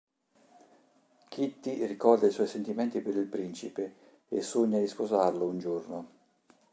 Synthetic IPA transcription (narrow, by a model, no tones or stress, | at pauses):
kʰit̪ːirikɔrd̪aiswɔjsent̪imɛnt̪ipeɾilpɾint͡ʃipe | esuɲːad̪ispozarlʊund͡ʒurnʊ